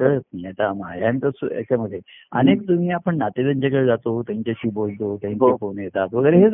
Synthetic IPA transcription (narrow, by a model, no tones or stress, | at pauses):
kəɭət̪̚nijet̪ama̰jamit̪əsḛsaməd̪ʱːe | ə̰nekt̪umiːapəɳnat̪ed̪əɲt͡ɕakəɭed͡zat̪ot̪jãɲt͡ɕjaɕiːbolt̪ot̪jãɦiɲkafonjet̪aːt̪ʋəɡəjɾeɦe